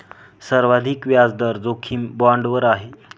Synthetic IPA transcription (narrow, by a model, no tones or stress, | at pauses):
səɾʋad̪ʱiːkʋjad͡zd̪əɾd͡zokʰiːmbɔɳɖʋəɾaɦe